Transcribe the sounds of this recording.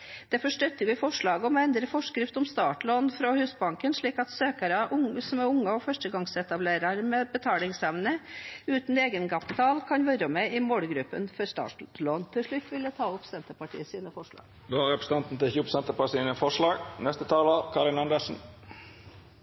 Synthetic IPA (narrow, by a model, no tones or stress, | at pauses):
d̪̥ɛfɔʂʈœt̪ːəʋɪfɔʂɭɑːɡəɔmɔɛnd̪ɾəfɔʂkɾɪft̪ɔmst̪ɑːʈloːnfɾɔhʉːsbɑŋkənʂɭiːkɑt̪søːkɑɾəʔʊsɔmæʊŋːəɔfœʂʈəɡɑŋsɛt̪ɑbleːɾɑɾmɛbət̪ʰɑːlɪŋsɛʋnəʉːt̪n̩eːɡənkɑpɪt̪ʰɑːlkʰɑnʋɔɾəmɛɪmoːɽɡɾʉpːənfɔɾst̪ɑ̰ːʈloːnt̪ʰɪlʂɭʉt̪ːʋɪlət̪ʰɑːʊpsɛnt̪əpɑʈḭːəsiːnəfɔʂɭɑ̰ːɡ̥ | d̪oːhɑɾɛpɾəsəɑnt̪n̩t̪ɪçuːpsɛnt̪əpɑʈiːnəfɔʂɭɑːɡnɛst̪ət̪ʰɑːləkʰɑɾɪnɑnd̪əsn̩